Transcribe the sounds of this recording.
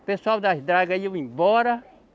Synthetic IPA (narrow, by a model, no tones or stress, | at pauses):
peswawd̪asd̪ɾaɡɐiwĩbɔɾɐ